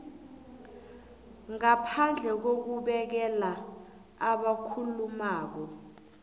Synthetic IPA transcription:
ŋapʰand͡ɮʱɛk̬ok̬uɓɛk̬ɛla | aɓakʰulumaːk̬ɔ

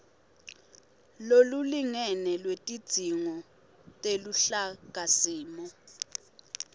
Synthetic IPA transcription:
loluliŋɛnɛlwetʼid̥ʱiŋɔ | tʼeluɬaɡ̥ʱasiːmɔ

